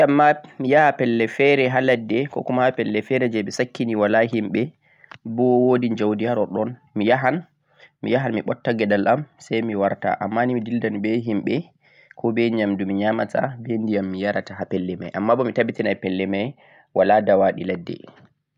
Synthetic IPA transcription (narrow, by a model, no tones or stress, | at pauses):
amːamijahapɛlːɛfɛɾɛɦalɛdːɛkɔ̰kumaapɛlːɛfɛɾɛd͡ʒɛɓɛsakʰːiniwalaɦimɓɛ | bɔwodind͡ʒawdijaɾɔɗɔnmijaɦan | mḭjaɦanmiɓɔtːaɡɛdalʔamsajmiwaɾta̰ʔamːanimidildanbɛɦimɓɛ | kʰɔbɛɲamdumiɲamata̰bendijamːijaɾataɦapɛlːɛma̰jʔamːabɔmitabitinajpɛlːɛmaj | waladawaɗiladːɛ̰